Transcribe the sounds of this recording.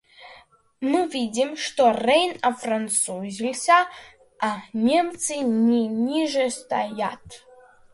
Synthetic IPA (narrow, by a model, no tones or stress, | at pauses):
mɨvidʲimʂtorejnafrant͡suzʲilʲsʲa | anʲemt͡sʰɨniniʐest̪ʰa̰jatʰ